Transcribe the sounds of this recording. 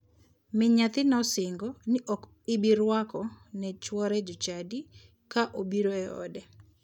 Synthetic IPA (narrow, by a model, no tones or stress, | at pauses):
mɪɲat̪ɪnɔsɪŋɡɔnɪʔɔk | ɪbiɾwakɔnɛt͡ʃwɔɾɛd͡ʒɔt͡ʃadi | kaʔobiɾoɛɔ̰dɛ